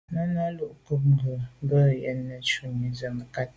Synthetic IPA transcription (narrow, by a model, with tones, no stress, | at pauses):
nə˦na˦lu˦ʔku˦p̬̚ŋ̩˨ɡə˨m˦bə˦˨jɛ˦nːə˨t͡ʃu˦mi˨zə˨m˨ka˦t̚